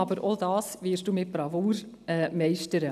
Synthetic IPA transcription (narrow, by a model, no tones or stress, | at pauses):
ɑbəɾʔodɑːsvɪːɾʃd̥uːmɪt̚b̥ɾɑvuːɾ | ɛːmɛɪʃtəɾə